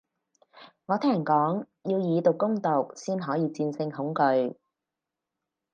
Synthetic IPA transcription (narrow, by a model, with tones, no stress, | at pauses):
ŋɔː˨˧t̪ʰɛː˥˨˩nkɔː˨˥ŋ | jiː˧wjiː˨˧t̪ʊ˨˩wkːʊ˥ŋt̪o˨k̚siː˥nɦɔː˨˥jiː˨˧t͡siː˧nsɪ˧ŋhʊ˨˥ŋkɵ˧ɥ